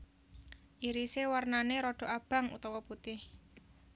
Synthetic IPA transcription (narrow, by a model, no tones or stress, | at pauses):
ʔiɾisewarnaneɾɔɖ̥ɔ̤ʔab̥a̤ŋṵt̪ɔwɔput̪ɪh